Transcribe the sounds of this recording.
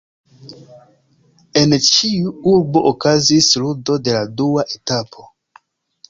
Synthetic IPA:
e̞nt͡ʃiuuɾbo̞ʔokazisludo̞de̞laduaʔetapʰo̞

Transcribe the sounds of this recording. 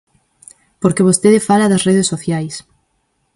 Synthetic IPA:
poɾkeβ̞ost̪eðefalɐðɐsreðesːoθjajs

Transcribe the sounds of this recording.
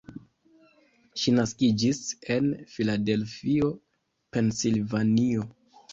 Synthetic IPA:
ʃinaskid͡ʒise̞nfilade̞lfio̞ | pe̞nsilvanio

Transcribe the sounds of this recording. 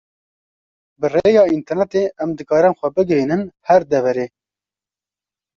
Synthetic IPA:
bɨreːjɑːint̪ɛɾnɛt̪eːʔɛmd̪ɨkɑːɾɨnxʷɛbɨɡɛɦinɨnhæɾd̪ɛvɛɾeː

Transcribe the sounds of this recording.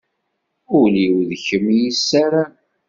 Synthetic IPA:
ʊliwðçəmjisːaɾæ

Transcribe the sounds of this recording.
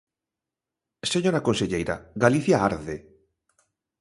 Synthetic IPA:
seɲoɾakonseʎejɾa̰ɣaliθjaaɾðe

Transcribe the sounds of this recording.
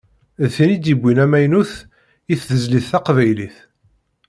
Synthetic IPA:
ðθinid̪jibʷːinæmæjnuθ | iθðəzliθːæqvæjliθ

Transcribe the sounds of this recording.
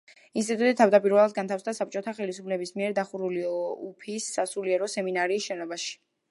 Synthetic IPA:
inst̪ʼit̪ʼut̪ʼit̪ʰavd̪apʼiɾvɛlˠad̪̚ɡant̪ʰafsd̪asap̚ʰt͡ʃʼɔt̪ʰaχɛlisupʰlɛbismiɛɾd̪aχuɾuliɔupʰisːasuliɛɾɔsɛminaɾiːsʃɛnɔbaʃi̥

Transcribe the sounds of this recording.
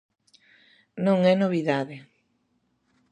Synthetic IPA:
nõŋɛnoβ̞iðaðe

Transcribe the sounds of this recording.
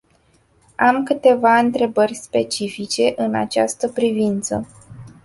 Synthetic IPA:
amkɨt̪e̞vaɨnt̪ɾe̞bərʲspe̞t͡ʃifit͡ʃe̞ʔɨna̰t͡ʃast̪əpɾivint̪sə

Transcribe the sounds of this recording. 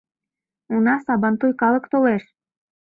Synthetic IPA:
unɑsɑbɑnt̪ujkɑlˠɤkt̪oleʃ

